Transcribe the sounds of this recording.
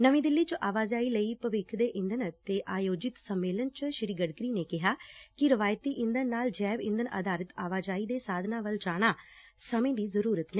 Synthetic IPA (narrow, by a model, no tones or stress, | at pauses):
nəʋĩːd̪ɪlːiːt͡ʃəʔaːʋaːzaːiːləiːpəʋɪkʰd̪eːʔɪ̃nd̪ənt̪eːʔaːjoːd͡ʒɪt̪səmːeːlənt͡ʃʃɪɾiːɡəɖkɾiːneːkɪɦaːkɪɾɪʋaːjt̪iːʔɪ̃nd̪ənːaːld͡ʒɛːʋɪ̃nd̪ənə̰d̪aːɾət̪aːʋaːd͡ʒaːiːd̪eːsaːd̪ʱnãːʋəld͡ʒaːɽ̃aː | səmẽːd̪iːzəɾuːɾət̪neː